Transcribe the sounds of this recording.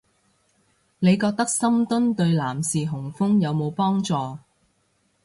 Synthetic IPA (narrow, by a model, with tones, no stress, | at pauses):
ne˨˧jkɔː˧k̚t̪ɐ˥k̚sɐ˥mt̪ɵ˥nt̪ɵ˧ɥlaː˨˩msiː˨ɦʊ˨˩ŋfʊ˥ŋjɐ˨˧wmo˨˧wpɔː˥ŋt͡sɔː˧